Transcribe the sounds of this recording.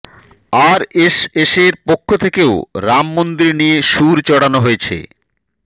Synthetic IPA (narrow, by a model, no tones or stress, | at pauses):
aɾeseʃeɾpokʰːot̪ʰekeoɾamːond̪ɾinieʃuɾt͡ɕɔɽanoɦojet͡ɕʰḛ